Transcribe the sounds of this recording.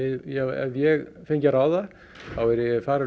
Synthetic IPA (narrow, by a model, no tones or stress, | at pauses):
ɪjɛɛ̰vjɛɣfejɲcaɾaːwða | θawɛɾɛfaːɾa